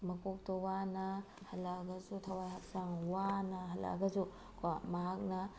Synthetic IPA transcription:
mɐkok̚towanɐ | hɐlaɡɐzutʰɐwajɦak̚saŋwanɐɦɐla̰ɡɐzu | kamɐɦak̚nɐ

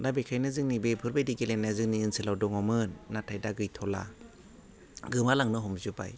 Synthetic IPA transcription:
dabekʰajnɯzɯŋnibepʰɯɾbajdiɡelenːazɯŋniɯnsɯlawdɔŋɔmɯnːatʰajdaɡɯjtʰɔla̰ | ɡɯmalaŋnɯɦɔmzɯba̰j

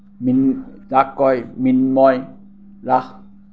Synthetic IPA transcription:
minsakːɔjminmɔj | lak

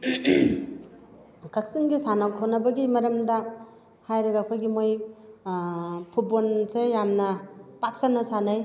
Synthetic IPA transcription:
kak̚siŋɡisanawkʰawnɐbɐɡimɐɾɐmdɐ | hajɾɐɡapʰojɡimoj | pʰut̚bolsejamnɐpak̚sanɐsanaj

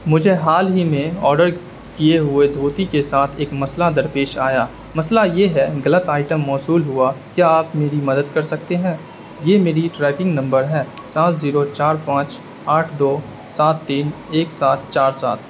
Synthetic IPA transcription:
mʊd͡ʒʱeɦaːlɦimẽɔːɾɖəɾ | kijeɦʊed̪ʱoːt̪ikesaːt̪ʰeːkmɐslad̪ɐɾpeːʃaːjaː | mɐslajeɦɛɡɐlət̪aːɪʈəmːɔːsuːlɦʊakjaaːpmeːɾimɐd̪əd̪kɐɾsɐk̚t̪eɦɛ̃ː | jeːmeːɾiʈɾɛːkɪ̃ŋɡnɐ̃mbəɾɦɛː | saːt̪ziːɾot͡ʃaːɾpãːt͡ʃ | aːʈʰd̪oː | saːt̪ːiːneːksaːt̪̚ʰt͡ʃaːɾsa̰ːt̪ʰ

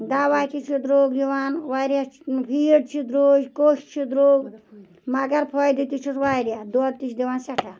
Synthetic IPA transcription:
d̪aʋajt̪ʰit͡ʃʰid̪ɾoɡd̪iʋaːnʋajɾjapʰiɖ̚t͡ʃʰid̪ɾoːd͡ʒkoʃt͡ʃʰid̪ɾoːɡ | mɐɡɐɾpʰɔjd̪it̪it͡ʃʰisʋajɾjad̪uad̚t̪it͡ʃʰd̪iʋaːnsɐʈʰa

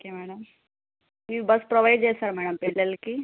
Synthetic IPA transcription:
okemæɽəm | ʋibəspɾoʋajɖjesəɾm̤æɽəmpeɽlelki

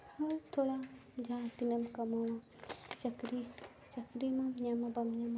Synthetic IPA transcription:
hɐlt̪ʰolad͡ʒʱãt̪inɐmkɐmoɽa | t͡ʃɐkɾi | t͡ʃɐkɾimɐmɲɐmɐbɐmɲam

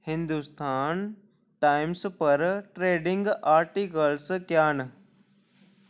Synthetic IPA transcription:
hɪ̃nd̪ust̪ʰaːn | ʈaːɪmspɐɾʈɾeːɖɪ̃ŋɡaːɾʈikəlskjaːn

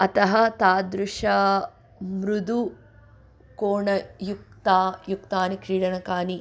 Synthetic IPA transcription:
ɐt̪ɐɦɐt̪aːd̪ɾʊʂɐ | mɾud̪u | koːɳɐjuk̚t̪aːjukt̪aːnikɾiːɽɐɳɐkaːni

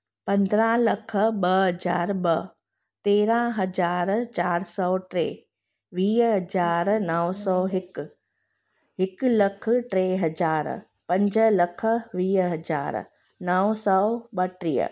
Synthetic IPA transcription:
pɐ̃nd̪ɾãlɐkʰəɓɐɦɐd͡ʑaːɾɓɐ | t̪eːɾãɦɐd͡ʑaːɾt͡ɕaːɾsɔːʈɾeː | ʋiːɦɐd͡ʑaːɾnɐʋsɔːɦɪk | ɦɪklɐkʰʈɾeːɦɐd͡ʒaːɾ | pɐ̃ɲd͡ʑəlɐkʰə̆ʋiːɦɐd͡ʑa̰ːɾ | nɐsɔːɓɐʈɾiːə̰

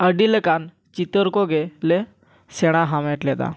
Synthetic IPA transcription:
əɖiləkan | t͡ɕit̪əɾkoɡele | seɽ̃aɦamɛʈlɛd̪a̰

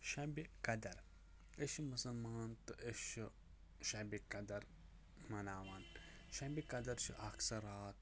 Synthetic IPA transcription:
ʃɐbikɐd̪ɐɾ | eʃmusɐlmaːnt̪ɨʔeʃu | ʃɐbikɐd̪ɐɾ | mɐnaːʋaːn | ʃɐbikɐd̪ɐɾt͡ʃʰḭʔɐksɐɾaːt̪̚

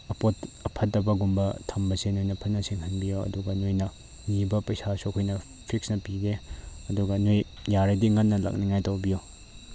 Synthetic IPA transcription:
ɐpotɐpʰɐtːɐbɐɡumbɐtʰɐmbɐsenojnɐpʰɐnːɐsiŋhɐnbijoɐ̰duɡɐnojnɐ | nibɐpɐjsasokʰojnɐ | pʰik̚snɐpiɡeɐduɡɐnoj | jaɾɐdiŋɐnːɐlɐ̰k̚niŋajtɐwbijo

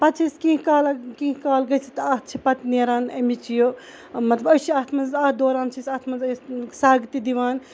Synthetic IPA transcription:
pɐt͡ʃʰiskĩɦkaːlɐkĩːɦkaːlɡɐjsit̪aːɦt͡ʃʰipɐt̪neːɾaːnɐ̰mit͡ʃʰijo | mɐt̪lɐbɐt͡ʃʰiaːt̪ʰmɐnzaːt̪ʰd̪oːɾaːnt͡ʃʰisaːt̪ʰmɐzɐsaːɡt̪id̪iʋaːn

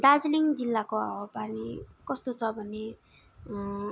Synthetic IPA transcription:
d̪ad͡zliŋd͡zilːakoawʌpanikʌst̪ot͡sʰʌbʱʌne

